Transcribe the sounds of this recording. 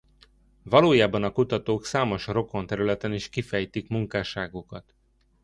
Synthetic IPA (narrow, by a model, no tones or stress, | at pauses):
vɒloːjaːbɒnɒkut̪ɒt̪oːksaːmo̞ʃro̞ko̞nt̪ɛɾylɛt̪ɛniʃkifɛjt̪ikmuŋkaːʃaːɡukɒt̪